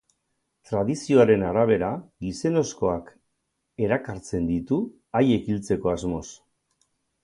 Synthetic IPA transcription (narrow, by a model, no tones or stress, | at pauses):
t̪ɾaðisio̞aɾe̞naɾaβ̞e̞ɾaɡise̞no̞sko̞ak | e̞ɾakaɾt͡se̞nd̪it̪u | aje̞kilt͡se̞ko̞azmo̞s